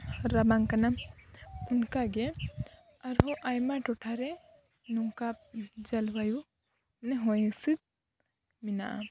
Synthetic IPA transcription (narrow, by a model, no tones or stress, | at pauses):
ɾabaŋkana | unkaɡɛ | aɾɦɔʔajmaʈɔʈʰaɾɛ | nuŋkap̚d͡ʒalwaju | nɛɦɔjɛsid̪̚ | mina̰ʔa̰